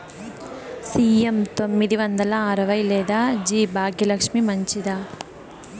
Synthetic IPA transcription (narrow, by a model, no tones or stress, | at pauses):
siːemt̪o̞mːid̪iʋɐnd̪ɐlɐːɾɐʋɐjlɛːd̪aːd͡ʒiːbʱaːɡʱjɐlɐkʂmimɐɲt͡ʃid̪aː